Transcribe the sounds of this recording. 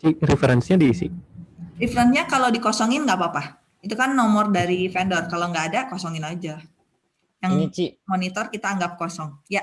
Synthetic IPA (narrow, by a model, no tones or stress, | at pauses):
t͡ʃiɾifeɾɛnsɲadiːsḭrifɾɛnsɲakalawdikosɔŋɪnŋɡapapah | it̪ukanːɔmɔrdaɾifɛndɔrkalawŋɡaːdakosɔŋɪnad͡ʒa | jaŋɲit͡ʃimonit̪ɔrkit̪aːŋɡap̚kosɔŋja